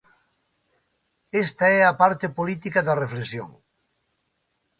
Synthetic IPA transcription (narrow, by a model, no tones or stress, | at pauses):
est̪ɐɛɐpaɾt̪ɪpolit̪ikɐðɐreflesjo̰ŋ